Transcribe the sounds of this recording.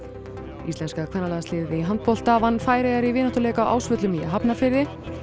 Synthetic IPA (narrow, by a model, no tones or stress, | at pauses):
ist̪ɛnskakʰvɛnːalaɣasɪːðɪiɦant̪̚pɔl̥t̪aːvanfaːjɾɛɣaɾivɪːnaht̪ʏɾlɛːjkawʔa̰wsvœt̪lʏmiaɦapnafɪɾðɪ